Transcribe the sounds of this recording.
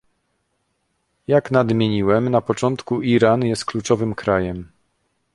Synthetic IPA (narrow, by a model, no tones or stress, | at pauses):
jaknad̪mʲjeɲiwɛmnapɔt͡ʂɔnt̪kuʔiɾanjɛst̪̚klut͡ʂɔvɘmkɾajɛm